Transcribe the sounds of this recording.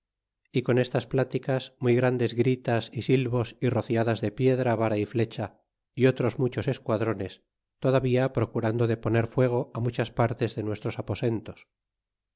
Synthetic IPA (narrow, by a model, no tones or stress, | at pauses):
iko̞ne̞st̪asplat̪ikasmujɣɾand̪e̞zɣɾit̪asisilβo̞siro̞θjaðazðe̞pje̞ðɾaβaɾaifle̞t͡ʃa | io̞t̪ɾo̞zmut͡ʃo̞se̞skwaðɾo̞ne̞s | t̪o̞ðaβiapɾo̞kuɾand̪oðe̞po̞ne̞ɾfwe̞ɣ̞o̞amut͡ʃaspaɾt̪e̞zðe̞nwe̞st̪ɾo̞sapo̞se̞nt̪o̞s